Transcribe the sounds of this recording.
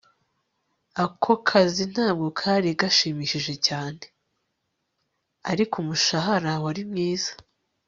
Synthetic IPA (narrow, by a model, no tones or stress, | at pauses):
akʰo̞kʰazin̥haːb̚ɡo̞kʰaːɾiɡaʃiːmiʃiʒe̞caːne | aɾikumuʃaɦaɾawaɾimɲiːzḁ